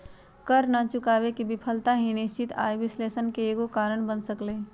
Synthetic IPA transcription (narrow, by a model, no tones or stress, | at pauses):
kəɾnat͡ʃʊkaːʋekibɪpʰəlt̪aɦĩnɪst͡ʃɪt̪a̰ːjʋɪsleːsənkeeːɡokaːɾəɳ̃bənsəkleː